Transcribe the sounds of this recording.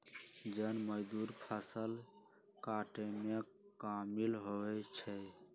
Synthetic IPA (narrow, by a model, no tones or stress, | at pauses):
d͡ʒənməd͡ʒd̪uɾpʰasəl | kaʈeme | kamilɦoɛt͡ʃʰə